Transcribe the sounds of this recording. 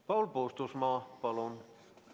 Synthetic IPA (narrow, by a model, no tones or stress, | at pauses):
pɑwlpoːst̪usmɑːpɑlun